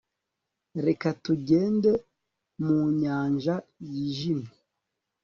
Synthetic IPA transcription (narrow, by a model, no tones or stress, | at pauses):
ɾekatuɟe̞ːnde̞ | muɲaːɲʒajiʒime